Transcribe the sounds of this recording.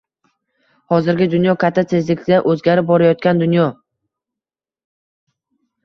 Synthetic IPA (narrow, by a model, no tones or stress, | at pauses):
hɒzɪɾɡʲɪd̪ʊnjɒkʲʰat̪ʰːat̪ʰe̞zlɪk̪ʲaʔɵzɡʲaɾɪp̚bɒɾajɒt̪̚kʲand̪ʊnjɒ